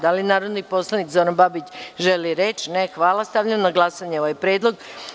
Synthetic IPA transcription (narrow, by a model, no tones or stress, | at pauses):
d̪alinaːɾo̞d̪nipo̞slˠanikzo̞ɾanbabit͡ɕʒeliɾet͡ʃnexʋaːlˠast̪aʋʎamnaɡlˠasaɲeo̞ʋajpɾjeːd̪lˠo̞ɡ